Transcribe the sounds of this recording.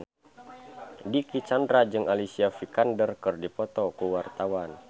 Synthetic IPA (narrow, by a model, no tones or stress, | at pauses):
dikit͡ʃandɾad͡ʒɨŋalisiafikandərkɨrdipɔt̪ɔkuwart̪awan